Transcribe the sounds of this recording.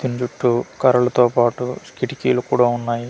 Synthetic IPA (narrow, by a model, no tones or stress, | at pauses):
d̪ind͡ʒuʈːukɐɾɐlɐt̪oːpaːʈuskiʈikiːlukuːɽaːunːaːji